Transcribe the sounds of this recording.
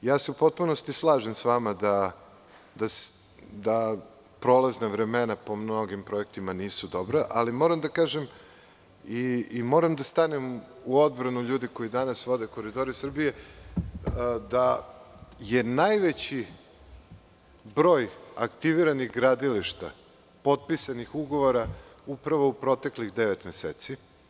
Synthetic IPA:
jaːseupo̞t̪̚puno̞st̪islˠaːʒe̞msʋaːmad̪a | d̪as | d̪a | pɾo̞lˠaznaʋɾe̞me̞napo̞mno̞ɡimpɾo̞e̞k̚t̪imaniːsud̪o̞bɾaʔalimo̞ːɾamd̪akaːʒem | iːmo̞ːɾamd̪ast̪anem | uod̪̚bɾanuʎuːd̪iko̞jid̪anasʋo̞d̪e̞ko̞ɾid̪o̞ɾisr̩bije̞ | d̪a | je̞najʋet͡ɕi | bɾo̞ːja̰kt̪iʋiɾanixɡɾad̪iliʃt̪a̰ | po̞t̪̚pisanixuɡo̞ʋoɾaupɾaʋoupɾo̞t̪e̞klixd̪eʋet̪meseːt̪si

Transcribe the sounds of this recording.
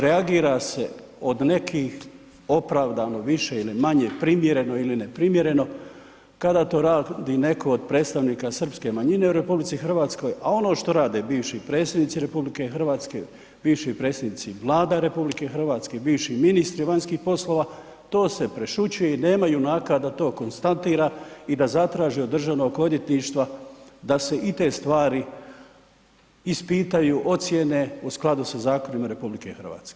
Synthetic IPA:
ɾeaɡiːɾase̞ | o̞d̪ne̞kʰix | o̞pɾaːʋd̪ano̞ʋiʃe̞ilimaɲepɾimje̞ɾe̞no̞ilinepɾimje̞ɾe̞no̞ | kad̪aːt̪o̞ːɾaːd̪ine̞kʰo̞od̪̚pɾe̞ːt̪st̪aʋniːkasr̩pske̞maɲine̞uɾe̞publit̪sixr̩ʋaːt̪sko̞jao̞no̞ʃt̪o̞ɾaːd̪e̞biːʋʃipɾe̞ːt̪sjed̪nit̪siɾe̞publikexr̩ʋaːt̪skḛ | biːʋʃiipɾet̪sed̪nit̪siʋlˠaːd̪aɾe̞publike̞xr̩ʋaːt̪ske̞biːʋʃiminist̪ɾiʋaɲskiːxpo̞slo̞ːʋa | t̪o̞ːse̞pɾe̞ʃut͡ɕujeine̞ːmajunaːkad̪at̪o̞ːko̞nst̪ant̪iːɾaid̪azat̪ɾaːʒiod̪r̩ʒaʋnokod̪jet̪niʃt̪ʋad̪ase̞ʔit̪e̞st̪ʋaːɾi | ispiːt̪ajuːʔo̞t̪sjene̞usklˠad̪usazaːko̞nimaɾe̞publike̞̰xrʋa̰ːt̪ske

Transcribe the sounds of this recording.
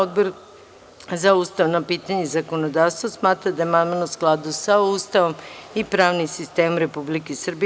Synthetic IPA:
od̪boɾ | zaust̪aʋnapiːt̪aɲezako̞nod̪aːʋst̪vasmaːt̪ɾad̪ajemanmanousklˠad̪usaust̪aʋo̞mipɾaːʋnimsist̪eːmomɾe̞publikesr̩bi

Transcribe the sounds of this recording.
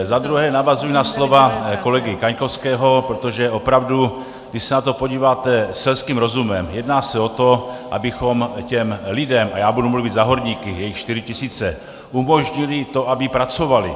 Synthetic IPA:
zad̪ɾuɦɛːnavazujinaslo̞vako̞lɛɡɪkaɲkofskɛːɦo̞pɾot̪o̞ʒɛʔopɾavdu | ɡdɪʃsɛnat̪o̞po̞ɟiːvaːt̪ɛsɛlskiːmɾo̞zumɛmjɛdnaːsɛo̞t̪o̞ʔa̰bɪxo̞mcɛmlɪdɛmʔa̰jaːbudumluvɪd̪zaɦo̞ɾɲiːkɪjɛjɪxt͡ʃt̪ɪɾɪcɪsiːt͡sɛ | ʔumoʒɲɪlɪt̪o̞ʔabɪpɾat͡so̞valɪ̰

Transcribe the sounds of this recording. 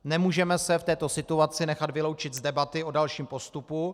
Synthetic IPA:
nɛmuːʒɛmɛsɛft̪ɛːt̪o̞sɪt̪uat͡sɪnɛxat̪vɪlo̞wt͡ʃɪt̪zdɛbat̪ɪodalʃiːmpo̞st̪upu

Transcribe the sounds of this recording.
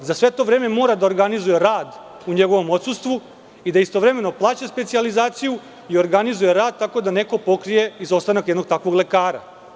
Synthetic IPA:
zasʋe̞t̪o̞ʋɾe̞ːme̞mo̞ːɾad̪ao̞ɾɡanizuje̞ɾaːd̪ | uɲe̞ɡo̞ʋo̞mo̞t̪sust̪ʋu | id̪aist̪o̞ʋɾe̞me̞no̞plˠaːt͡ɕaspe̞t̪sializaːt̪siju | io̞ɾɡanizuje̞ɾaːd̪̚t̪ako̞d̪ane̞ko̞po̞kɾije̞izo̞st̪anakjed̪no̞ɡ̚t̪akʋo̞ɡle̞kaːɾa̰

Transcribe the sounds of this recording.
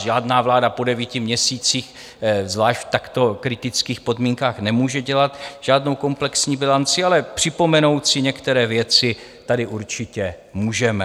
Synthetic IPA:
ʒaːdnaːvlaːdapo̞dɛviːcɪmɲɛsiːt͡siːx | zvlaːʃtft̪akt̪o̞kɾɪt̪ɪt͡skiːxpo̞dmiːŋkaːxnɛmuːʒɛɟɛlat̪ʒ̥aːdno̞wko̞mplɛksɲiːbɪlant͡sɪalɛpr̝̥ɪpo̞mɛno̞wt̪sɪɲɛkt̪ɛɾɛːvjɛt͡sɪ | t̪adɪʔuɾt͡ʃɪcɛ | muːʒɛmɛ

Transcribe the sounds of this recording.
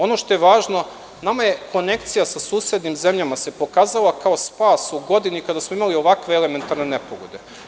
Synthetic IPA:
o̞no̞ʃt̪o̞jeʋaːʒno̞ | namaje̞kʰo̞ne̞kt̪sijasasuːsjed̪nimze̞mʎamase̞po̞kaːzalakao̞spaːsuɡo̞d̪inikad̪asmoimalio̞ʋakʋeele̞me̞nt̪aɾne̞ne̞poɡod̪e̞

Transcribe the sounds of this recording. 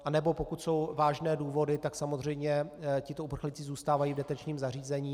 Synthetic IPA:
ʔanɛbo̞po̞kut̪so̞wvaːʒnɛːduːvo̞dɪt̪aksamozr̝ɛjmɲɛcɪt̪oupr̩xlɪt͡sɪzuːst̪aːvajiːvdɛt̪ɛt͡ʃɲiːmzar̝iːzɛɲiː

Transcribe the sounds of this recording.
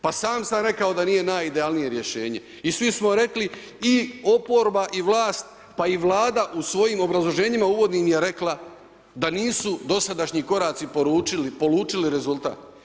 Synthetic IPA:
pasaːmsamɾe̞kao̞d̪aniːje̞naːjid̪e̞aːlnije̞ɾje̞ʃe̞ːɲe̞̰ | isʋismo̞ɾe̞kli | io̞poɾbaʔiʋlˠaːst̪̚ | paiʋlˠaːd̪aʔusʋo̞jiːmo̞bɾazlˠoʒe̞ːɲimauʋo̞d̪niːmje̞ɾe̞kla | d̪aniːsud̪o̞sad̪aʃɲiko̞ɾaːt̪sipoɾuːt͡ʃilipo̞luːt͡ʃiliɾe̞zult̪a̰ːt̪

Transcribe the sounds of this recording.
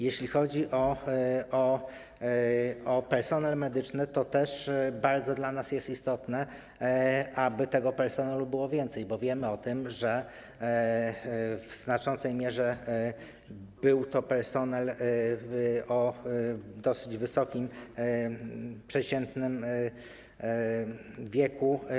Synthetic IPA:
jeɕlʲixɔd͡ʑiʔɔ | ɔ | ɔpɛɾsɔnɛlmɛd̪ɘt͡ʂnɘt̪ɔt̪ɛʂbaɾd̪zɔd̪lanasjɛst̪ist̪ɔt̪nɛ | ʔabɘt̪ɛɡɔpɛɾsɔnalubɘwɔvʲjɛnt̪sɛjbɔvʲjɛmɘɔt̪ɘmʐɛ | vznat͡ʂɔnt̪sɛjmʲjɛʐɛ | b̥ɘwt̪ɔpɛɾsɔnɛl | ɔ | d̪ɔsɘd͡ʑvɘsɔkʲim | pʂɛt͡ɕɛnt̪nɘm | vʲjɛku

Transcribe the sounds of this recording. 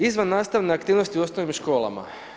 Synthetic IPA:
izʋanːaːst̪aʋneakt̪iːʋno̞st̪iuo̞snoʋimʃko̞ːlˠa̰ma̰

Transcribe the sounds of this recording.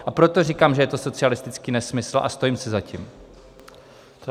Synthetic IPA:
ʔapɾo̞t̪o̞rikaːmʒɛjɛt̪o̞so̞t͡sɪalɪst̪ɪt͡skiːnɛsmɪsl̩ʔa̰st̪o̞jiːmsɪzacḭːm

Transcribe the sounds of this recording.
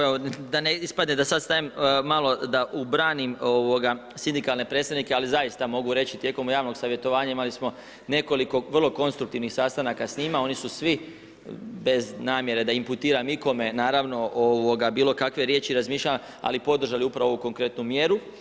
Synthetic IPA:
eod̪aneispad̪ned̪asad̪st̪ajemmalˠo̞d̪aʔubɾaːnimoʋo̞ɡa | sind̪ikalne̞pɾed̪st̪aʋnikealizajist̪amo̞ɡuɾe̞t͡ɕit̪jeːko̞mjaːʋno̞ɡsaʋje̞t̪o̞ʋaːɲaimalismo̞ | ne̞ko̞liko̞ʋrlˠo̞ko̞nst̪ɾuk̚t̪iʋnixsast̪anakasɲiːmao̞nisusʋi | be̞znaːmje̞ɾe̞d̪aimput̪iːɾamiko̞me̞naːɾaʋno̞ʔoʋo̞ɡabiːlˠo̞kakʋe̞ɾje̞ːt͡ɕiɾazmiːʃʎa | a̰lipo̞d̪r̩ʒaliupɾaʋo̞ʋuko̞ŋkɾe̞t̪numje̞ɾu

